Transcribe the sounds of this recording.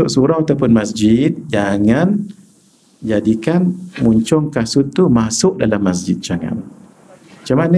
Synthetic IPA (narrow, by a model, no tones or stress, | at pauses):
ʊʔsuɾaŋat̪awpʊnmasd͡ʒɪt̪̚d͡ʒaŋan | d͡ʒadikanmuɲt͡ʃɔŋkasut̪ːumasʊʔdalamːas̬d͡ʒɪt̪̚d͡ʒaŋa̰n | at͡ʃamanə